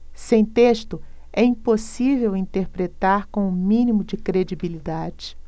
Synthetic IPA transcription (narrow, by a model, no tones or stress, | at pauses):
sẽj̃t̪eʃt̪ʊ | ɛĩposivewĩnt̪eɾpɾet̪aɾkõʊmĩnimʊd͡ʒɪkɾed͡ʒibilid̪ad͡ʒɪ